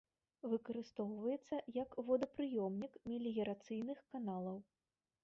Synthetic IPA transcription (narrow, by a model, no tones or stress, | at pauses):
vɨkɐɾɨst̪ɔwvɐjɛt̪sːɐjɐkvɔd̪ɐpɾɨjɔmnʲikmʲilʲiɣʲɛɾat̪sɨjnɨxkanalˠɐw